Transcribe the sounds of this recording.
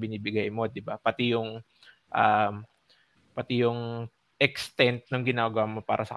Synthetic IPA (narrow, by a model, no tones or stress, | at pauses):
bɪniːbɪɡajmo̞d̪ɪbapɐt̪ijʊŋ | ʔam | pɐt̪ijʊŋ | ʔɛkst̪ɛnt̪̚noŋɡɪnaːɡamopa̰ːɾʔɐsɐ̰k